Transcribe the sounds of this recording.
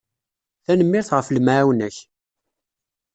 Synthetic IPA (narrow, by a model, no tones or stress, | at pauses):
θænəmːɪɾθʁəflmaʕawnæç